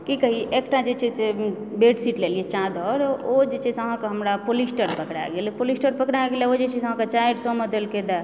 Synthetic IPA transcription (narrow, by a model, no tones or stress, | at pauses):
kikəɦiekʈad͡ʒet͡ʃʰɛse | beʈsiʈleliet͡ʃãd̪ʱɔɾod͡ʒet͡ʃʰɛsəɦãkeɦəmɾapolisʈəɾpəkɽa̰ɡelɛpolisʈəɾpəkɽaɡelɛod͡ʒet͡ʃʰisəɦãket͡ʃajɖsɔmed̪elked̪a